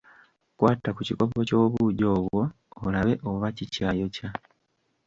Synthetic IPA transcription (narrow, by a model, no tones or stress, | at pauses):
kwaːtakuciko̞po̞co̞ːβuːɟo̞ːβwo̞ː | laβe̞ʔo̞βacicaːjo̞ca